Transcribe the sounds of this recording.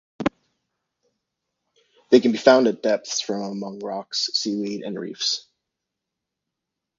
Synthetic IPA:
ðeɪkɨ̃n̩bifãʊ̃ndɨd̥ɛp̚θsfɹʌ̃məmʌ̃ŋɹɑksiliɾɨ̰̃nɹḭfs

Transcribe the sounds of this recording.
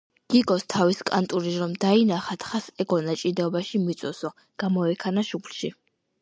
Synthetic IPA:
ɡ̥iɡɔst̪ʰaviskʼa̰nt̪ʼuɾiɾɔmd̪ainaχat̪ʰχasɛɡɔnat͡ʃʼid̪ɛɔbaʃimit̪sʼɔsɔ | ɡ̥amɔɛkʰanaʃupʰlʃi

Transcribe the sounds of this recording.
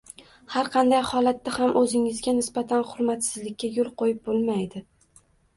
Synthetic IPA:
haɾqʰɑnd̪ajhɒlat̪ːahamʔɵzɪŋɪzɡʲanɪsbat̪ʰanχʊɾmat̪sɪzlɪkʲːajolˠqojɪp̚bolˠmajd̪ɪ

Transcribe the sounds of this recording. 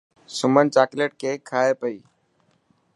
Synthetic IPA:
sʊmənt͡ʃaːkleːʈ̚kʰeːkʰaːepəiː

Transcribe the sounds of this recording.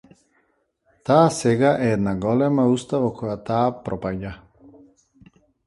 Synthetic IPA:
t̪aːsɛɡaʔɛɛd̪naɡɔlɛmaust̪avɔkʰɔjat̪aːpɾɔpaɟa

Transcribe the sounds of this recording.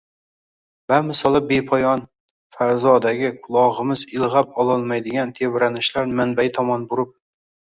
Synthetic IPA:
bamɪsɒlˠɪbepʰɒjɒn | faɾzɒd̪aɡʲɪkʰʊlˠɒʁɨmɪzɪlˠʁapɒlˠɒlˠmajd̪ɪɡʲant̪ʰe̞vɾanɪʃlaɾmanbajɪt̪ʰɒmɒnbʊɾɪp̚

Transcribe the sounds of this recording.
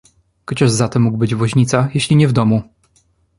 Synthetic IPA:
kɔt͡ɕɔʐzat̪ɛmːuɡbɘd͡ʑvwɔʑɲit̪sajeɕlʲiɲɛvd̪ɔmu

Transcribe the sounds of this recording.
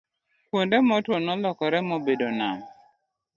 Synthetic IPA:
kwondɛmɔtwonɔlɔkɔɾɛmɔbedona̰m

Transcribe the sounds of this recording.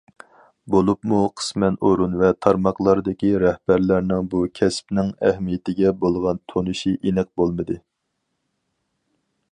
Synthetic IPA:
bolˠupmuqʰə̥smɛnoɾunvɛt̪ʰɑɾmɑqlˠɑɾd̪ɪkʲiɾɛhbæɾlæɾnɪŋbukʲʰɛspnɪŋɛ̰hmijɪt̪ɪɡʲɛbolˠʁɑnt̪ʰonɨʃiʔenɛk̚bolˠmɨd̪ɨ

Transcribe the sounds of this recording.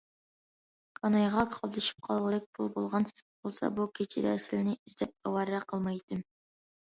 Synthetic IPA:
kʰɑnɑjʁɑkʰɑblˠɨʃi̥p̚qʰɑlˠʁəd̪ɛk̚ʲpʰʊlˠbolˠʁɑnb̥olˠsɑ̰bukʲʰet͡ʃʰɪd̪ɛ̰sɪlɪnɪʔyzd̪ɛp̚ɑwɑɾːɛqʰəlˠmɑjt̪ɨm

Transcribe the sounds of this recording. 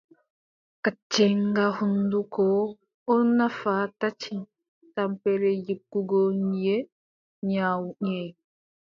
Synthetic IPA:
kat͡ʃːɛŋɡahundukɔ | ɔnafatat͡ʃin | tampɛɾɛjikːuɡɔɲje | ɲaːwuɲe

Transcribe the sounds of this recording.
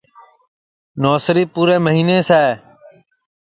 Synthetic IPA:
noːsɾiːpuːɾeːməɦiːneːsɛː

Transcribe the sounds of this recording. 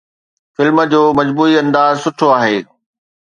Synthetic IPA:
fɪlmə̆d͡ʑoːmɐd͡ʑbuːiɐ̃nd̪aːzsʊʈʰoaːɦeː

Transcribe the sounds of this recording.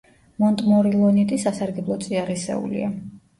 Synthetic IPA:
mɔnt̪ʼmɔɾilˠɔnit̪ʼisasaɾɡɛblˠɔt̪sʼiaɾisɛ̰ṵlḭa

